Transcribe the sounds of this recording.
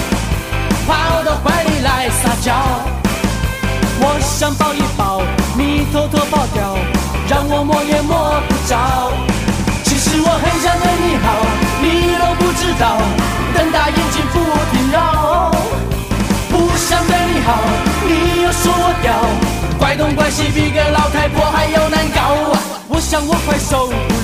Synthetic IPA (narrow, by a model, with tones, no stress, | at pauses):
pʰa˥˨t̪ə˨˩kwa˧˥nni˨˩la˧˦ɪsa˧˩t͡ɕjɑ˧˦ʊ | wɔ˨ɕjɑ˧˥ŋt̪ɑ˥˧ʊi˧˥˩pɑ˨˩˦ʊni˨˩t̪ʰo˧˥ʊt̪ʰɔ˥pɑ˥˩ʊt̪jɑ˨˩˦ʊ | ɻɑ˥˧ŋwɔ˨˩mwɔ˥˧jɛ˧mwɔ˥˩pu˧˩ʈ͡ʂɑ˧˦ | t͡ɕʰi˧˥ʂɻ̩˧˥wɔ˨xə˧˥nʂa˥nt̪e˧ni˨˩xɑ˨˩˦ʊni˨˩t̪o˧˥ʊpu˥˧ʈ͡ʂ̩˥˧t̪ɑ˥˨˩ʊ | t̪ə˧ŋt̪a˧ji˥˧nt͡ɕi˧˥nfu˥˧˨p̪ʰi˨˩nlɑ˧˩ | pu˧ɕjɑ˧˥ŋt̪we˥˧ɪni˨˩xɑ˨˦ʊni˨˩jo˨˧˩ʊʂwɔ˥wɔ˨˧˥t̪jɑ˨˩˦ʊkwa˧˥ɪt̪ʊ˥ŋkwa˥nɕi˧pi˧˥ɡə˧lɑ˧˥ʊt̪ʰa˧˥ɪpwɔ˧˥xa˧˥ɪjo˧˩ʊna˧˥nkɑ˨˦ʊ | wɔ˨˧˦ɕjɑ˨˩ŋwɔ˨˩˦kʰwa˧˥˩ɪʂo˧˦ʊ